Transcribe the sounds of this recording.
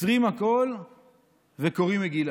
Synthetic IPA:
ʁimako̞l | vekoʁimeɡila

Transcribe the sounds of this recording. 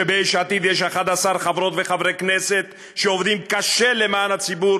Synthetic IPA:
ebeijʃat̪id̪jeʃ̬aχad̪asaɾχavɾo̞t̪veχavʁekneset̪ | ʃeovd̪imkaʃe̞lemaːnhat͡sibuɾ

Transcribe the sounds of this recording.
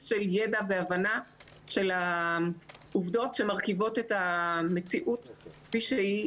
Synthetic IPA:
ʃe̞ljedaveavana | ʃe̞la | uvdo̞tʃe̞maʁkivo̞tetame̞t͡siʔutkfiʃei

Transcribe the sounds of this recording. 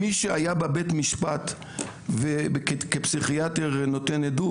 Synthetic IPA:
iʃeajabebet̪miʃpat̪ | vebekekepsiχiateʁnotenedu

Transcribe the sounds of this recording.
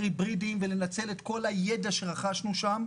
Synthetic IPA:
ʁibʁidimvele̞nat͡se̞let̪ko̞laje̞daʃeʁaχaʃnuʃam

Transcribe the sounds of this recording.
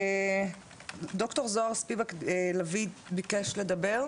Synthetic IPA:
d̪o̞kto̞ʁzoaʁspivaklavibikeʃle̞d̪ɐbe̞ʁ

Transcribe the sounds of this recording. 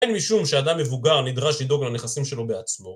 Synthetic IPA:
enmiʃumʃead̪amːevuɡaʁnid̪ʁaʃlid̪o̞ɡlaneχasimʃe̞lo̞beat͡smo̞

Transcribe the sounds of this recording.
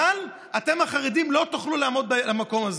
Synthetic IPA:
al | at̪e̞maχaʁid̪imlo̞t̪uχlulaamo̞d̪̚blamako̞maz

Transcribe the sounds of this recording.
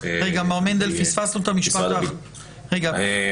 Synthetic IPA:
ʁeɡamaʁmend̪elfisfasut̪amiʃpat̪a | ʁeɡa

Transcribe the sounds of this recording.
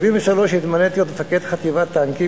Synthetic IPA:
vimveʃaloʃit̪manet̪ijot̪efaked̪χat̪ivat̪ːaŋki

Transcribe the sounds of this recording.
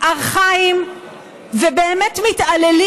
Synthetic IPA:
aʁχaim | vebeːmetmit̪aleli

